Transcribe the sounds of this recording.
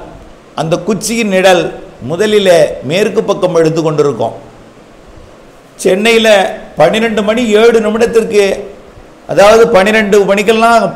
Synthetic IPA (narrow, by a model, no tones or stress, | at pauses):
ʔɐnd̪ɐkʊt͡ʃːɪjɪnːɪɽɐlmʊðɐlɪleːmeːɾkːɯpːɐkːɐmɛɽɯt̪ːɯkːɔɳɖɪɾɯkːʊ̰̃ː | t͡ʃɛnːɐjɪlɐpɐnɪɾɐɳɖɯmɐɳieːɽɯnɐmɪɽɐt̪ːɪrkɯ | ʔɐ̰ðaːʋɐðɯpɐnɪɾɐɳɖɯmɐɳɪkːɐllãː